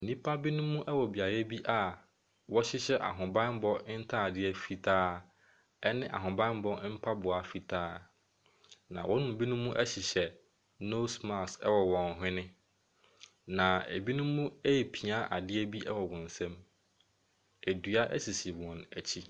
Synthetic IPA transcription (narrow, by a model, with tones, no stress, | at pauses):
n̩˨nĩ˦pʰa˦bi˦nũ˦mːũ˦ʔɛ˦wɔ˨bi˨a˨ɾɛ˦bi˦ʔa˨ | wɔ˦ɕɪ˦ɕɛ˦ʔa̰˨ɦʊ̃˨bã˦n˦bɔ˦n̩˦tʰa˦˨dɪ˦ɛ˦fi˨tʰaː˦ | ɛ˦nɪ̃˦ʔa̰˨ɦʊ̃˨bã˦n˦bɔ˦m̩˦pʰa˦bʊ˨a˨fi˨tʰaː˦ | nã̰˨wɔ˦nʊ̃˨bi˦nũ˦mũ˦ʔɛ˦ɕɪ˨ɕɛ˨ | no˦sma˨sɛ˦wɔ˨wɔ̃˨n˨ɦɪ̃˦nɪ̃˦ | nã˨æ˨bi˦nʊ̃˦mũ˦e˦˨pʰi˨a˦ʔa̰˨dɪ˦ɛ˦bi˦ɛ˦wɔ˨wɔ̃˨n̩˨sɛ̃˦m | æ˨du˨a˦ʔɛ̰˦si˨si˨wɔ̃˨næ˨t͡ɕʰi˦